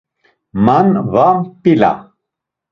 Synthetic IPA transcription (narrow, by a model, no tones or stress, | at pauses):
manvampila̰